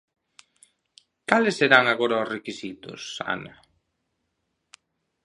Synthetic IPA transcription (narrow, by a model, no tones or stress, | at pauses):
kalɪsːeɾaŋaɣoɾaosrekisit̪ʊ̰sa̰na